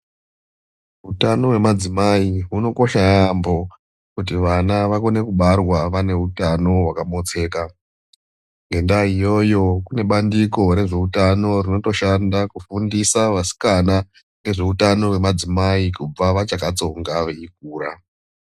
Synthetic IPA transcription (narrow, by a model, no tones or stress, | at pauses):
ɦutano̞we̞mad͡zimaiɦuno̞ko̞ʃajambo̞ | kutiʋanaʋako̞ne̞kuɓarwaʋane̞utano̞ɦwakamo̞t͡se̞ːka | ŋɡe̞ndaijo̞jo̞kune̞ɓandiko̞ɾe̞ʐe̞utano̞rino̞to̞ʃandakufundisaʋasi̥kana | ne̞ʐe̞utano̞we̞mad͡zimaikub͡vaʋat͡ʃakat͡so̞ŋɡaʋeik̚uːɾa